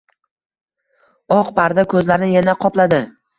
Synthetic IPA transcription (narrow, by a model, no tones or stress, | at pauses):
ɒqpʰaɾd̪akʰɵzlaɾnɪjanaqʰɒplad̪ɪ